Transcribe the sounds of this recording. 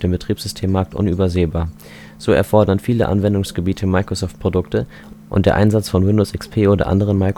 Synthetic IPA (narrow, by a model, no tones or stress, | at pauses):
d̥eːmbətʁ̥iːpsz̥ʏstʰeːmːaɐk̚tʔʊ̰nyːbɐzeːbaːɐ | z̥oːɛ̰ɐfɔɐdɐnfiːləʔa̰nvɛndʊŋsɡ̥əbiːtʰəmaɪkʁ̥osɔːft̚pʁ̥odʊktə | ʔʊ̰nt̚d̥eːɐʔaɪnzat͡sfɔnwɪndoːsʔɪkspʰeːʔoːdɐ̰ʔa̰ndəʁ̞ənmaɪk